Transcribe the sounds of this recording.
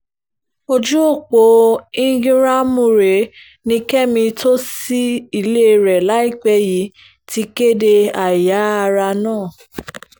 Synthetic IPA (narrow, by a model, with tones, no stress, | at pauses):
o˧d͡ʒu˦o˦˨k͡po˨˦ĩ˦ɡɾa˦mũ˦˨ɾe˨˦ | nĩ˧kɛ˦mĩ˧tʰo˦si˦i˦˧˨le˦˧˨ɾɛ˨la˨˦i˦˨k͡pɛ˧ji˨˦ | ti˧ke˦de˧a˨ja˨˦a˧ɾa˧nãː˦˨